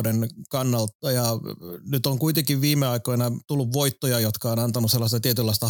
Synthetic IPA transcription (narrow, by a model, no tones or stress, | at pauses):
denkɑnːɑlt̪ːɑjɑnyt̪oŋkuit̪eŋkiʋʋiːmeɑikoinɑt̪ulːuʋʋoit̪ːojɑjot̪kɑoːnɑnt̪ɑnuselːɑst̪ɑt̪iet̪ylːɑist̪ɑ